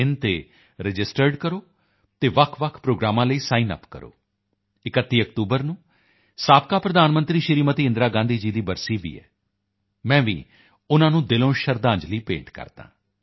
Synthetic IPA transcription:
ɪnt̪ḛː | ɾəd͡ʒɪsʈəɾɖkəɾoː | t̪eːʋəkʰʋəkʰpɾoːɡɾaːmãːləiːsaːiːnə̰pkə̰ɾo̰ː | ɪkət̪ːiːək̚t̪uːbəɾnũː | saːpkaːpɾəd̪aːnmə̃nt̪ɾiːʃɪɾiːmət̪iːɪ̃nd̪ɾaːɡãːnd̪iːd͡ʒiːd̪iːbəɾsiːʋḭːɛ̰ː | mɛ̃ːʋḭː | ʊnãːnũːd̪ɪlõːʃəɾd̪ãːɲd͡ʒliːpḛ̃ːɳʈkə̰ɾt̪ã̰ː

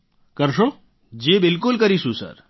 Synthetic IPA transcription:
kəɾʃo | d͡ʑebɪlkʊlkəɾiʃũsə̰ɾ

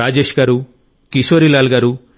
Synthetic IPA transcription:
aːd͡ʒeːʃɡaɾu | kisoɾilaːlɡaːɾu

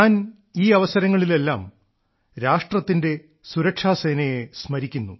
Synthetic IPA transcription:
aːn | iːɐʋɐsɐɾɐŋːɐɭile̞lːaːm | ɾaːʂʈrɐt̪ːinde̞ | suɾɐkʂaːse̞ːnɐjesmɐɾikʲːunːu

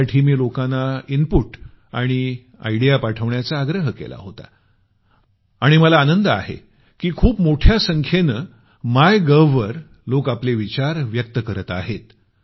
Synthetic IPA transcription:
ʈʰimilokanainpuʈ | a̰ɽ̃i | a̰jɽijapaʈʰəʋɳjat͡saːɡɾəɦəkḛla̰ɦot̪a̰ | aɽ̃iməlaːnənd̪əa̰ɦḛ | kiːkʰuːpmoʈʰjasəŋkʰjenə | majɡəʋːəɾ | lokapleʋit͡ɕaɾʋjək̚t̪əkəɾət̪a̰ɦet̪

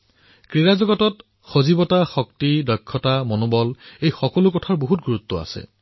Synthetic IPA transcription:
kɹiɹazɔɡɔtɔt | xozibɔtaxɔktidɔkʰːɔtamonobɔlejxɔkɔlʊkɔtʰaɹboɦut̚ɡuɹutːɔa̰sɛ̰

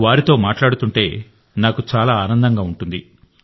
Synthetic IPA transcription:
ʋaːɾit̪o̞ːmaːʈlaːɽut̪uɳʈe̞ː | naːkut͡ʃaːlaːaːnɐnd̪ɐŋɡaːuɳʈund̪i

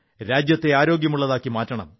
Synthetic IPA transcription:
ɾaːd͡ʑjɐt̪ːe̞aːɾo̞ːɡjɐmuɭːɐðaːkːimaːtːɐɳɐ̰m

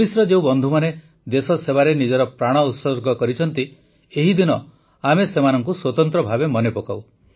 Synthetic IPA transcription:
bisɾɔd͡ʒew̃bɔnd̪ʱumane | d̪esɔseβaɾenid͡ʒɔɾɔpɾaɽ̃ɔut̪sɔɾɡɔkɔɾit͡ʃʰɔnt̪i | eɦid̪inɔ | amesemanɔŋkuswɔt̪ɔnt̪ɾɔbʱabemɔnepokaw

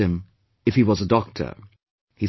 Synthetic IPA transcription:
ɨ̃m | ɨfhiwʌzədɔk̚tʰə̰˞ | hi

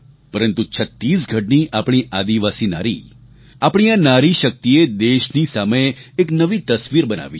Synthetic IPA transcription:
pəɾənt̪ut͡ʃʰət̪ːisɡʱəʈ̚niʔapɽ̃iʔad̪iʋasina̰ɾḭ | apɳ̃ijãnaɾiʃək̚t̪ied̪eʃnisameːknəʋit̪əsʋiɾbəna̰ʋi

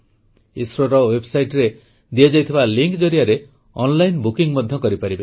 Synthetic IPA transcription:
isɾoɾɔwebsajʈɾe | d̪iɔd͡ʒajt̪ʰibaliŋkd͡ʒɔɾijaɾe | ɔnlajnbukiŋmɔd̪ʱjɔkɔɾipaɾibe

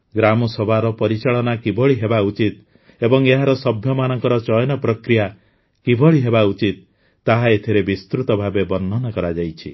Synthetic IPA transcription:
ɡɾamɔsɔbʱaɾɔpɔɾit͡ʃaɭɔnakibɔɭiɦebaut͡ʃit̪ | ebɔŋeɦaɾɔsɔbʱjɔmanɔŋkɔɾɔt͡ʃɔjnɔpɾɔkɾija | kibɔɭiɦebaut͡ʃit̪̚ː | aɦaet̪ʰiɾebist̪ɾut̪ɔbʱabebɔnːɔnakɔɾad͡ʒajt͡ʃʰi

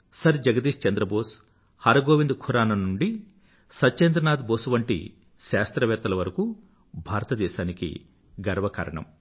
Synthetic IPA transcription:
sɐɾd͡ʒɐɡɐd̪iːʃt͡ʃɐnd̪ɾɐboːs | haɾɐɡoːʋind̪kʰuɾaːnɐnuɳɖi | sɐt͡ʃend̪ɾɐnaːd̪boːsuʋɐɳʈḭ | ʃaːst̪ɾɐʋɛːt̪ːɐlɐʋɐɾɐku | bʱaːɾɐt̪ɐd̪ɛːʃaːnikḭ | ɡɐɾʋɐka̰ːɾɐ̰ɳɐ̰m

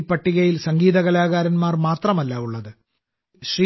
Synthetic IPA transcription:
pːɐʈːiɣɐjilsɐŋɡiːðɐɣɐlaːɣaːɾɐnmaːrmaːt̪rɐmɐlːɐuɭːɐðɨ | ɕri

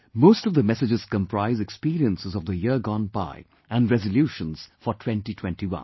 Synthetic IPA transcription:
moːstɔvd̪əmɛsɪd͡ʒɨz̥kə̃mpɾaɪzɛkspiːɾiə̃nsəzɔvd̪əjɪɡɔ̃nba̰ɪ | ʔæ̃ndɹɛzəljuːʃə̃nz̥fɔtʰw̥ɛ̃ntitʰw̥ɛ̃ntiwʌ̰̃n

